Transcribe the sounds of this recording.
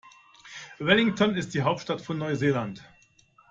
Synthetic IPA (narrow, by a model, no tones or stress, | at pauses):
vɛlɪŋtʰɔnɪst̚d̥iːɦaʊp̚tʃtatfɔnːɔʏzeːlant